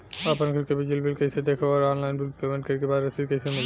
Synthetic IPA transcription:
apənkʰəɾkebid͡ʒilbilkəjsed̪ekʰɔɾɔnlaɪnbilpemẽɳʈ̚kəɾkebaɾəsikəjsemil

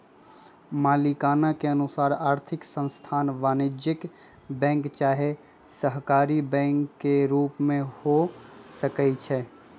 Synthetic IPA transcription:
maːlikaːnakeənʊsaːɾaːɾt̪ʰɪksə̃nst̪ʰaːnʋaːnɪd͡ʒɪk | bɛ̃ːŋkt͡ʃaːɦe | səɦkaːɾibɛ̃ːŋkːeɾuːpmẽhosəkɛit͡ʃʰɛː

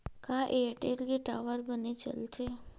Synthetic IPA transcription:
kaʔeəʈelɡeʈaʋəɾbənet͡ʃə̰lt͡ʃʰe

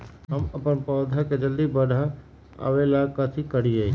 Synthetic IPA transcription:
ɦɐmɐpənpɔːd̪ʱəked͡ʒɐld̪ibɐɖʱa | ə̰ʋelaːkɐt̪ʰikɐɽie

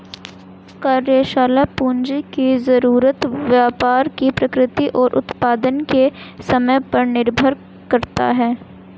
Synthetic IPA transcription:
kaːɾjeʃaːlapuːɲd͡ʒikizɐɾuːɾət̪ʋjaːpaːɾkipɾɐkɾɪt̪iʔɔːɾʔʊ̰t̪paːd̪ənkesɐməjpɐɾnɪɾbʱəɾ | kɐɾt̪a̰ɦɛː

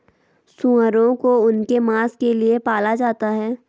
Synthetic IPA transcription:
sũːəɾõkoʊnkemaːskeliepaːlad͡ʒaːt̪aɦɛː

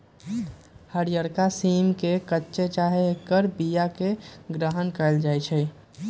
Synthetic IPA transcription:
həɾjəɾkasimkekətːʃet͡ʃaɦekːəɾbijakeɡɾəɦənkəɪld͡ʒajt͡ʃʰɛ

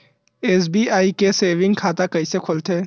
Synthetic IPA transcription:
eːs̬biːaːikeseːʋɪ̃ŋɡ̚kʰaːt̪akɐisekʰʊlt̪ʰeː

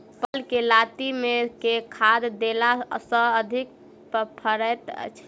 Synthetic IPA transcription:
pəlkelat̪imekekʰad̪d̪elasə̃əd̪ʱik̚ | ppʰəɾət̪t͡ʃʰ

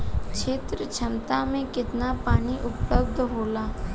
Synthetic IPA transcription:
kt͡ʃʰeːt̪ɾət͡ʃʰɐnt̪amẽkɪt̪napaːɽ̃iʔʊpləbd̪ʱɦoːlaː

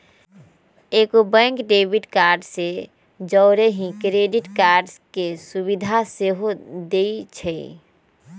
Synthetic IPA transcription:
ekobə̃ŋkɖebiʈkaːɾɖse | d͡ʒəʊɾeɦĩkɾeɖiʈkaːɾɖskesubid̪ʱaseɦod̪eit͡ʃʰɛ

